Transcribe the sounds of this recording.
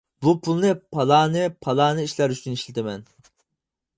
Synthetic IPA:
bupʰulˠnɨpʰɑlˠɑːnɨpʰɑlˠɑːnɨiʃlæɾyt͡ʃyniʃlɪt̪ʰɪmɛn

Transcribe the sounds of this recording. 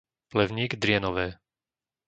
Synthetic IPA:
plɛʊɲiːɡd̪ɾɪɛnɔʋɛː

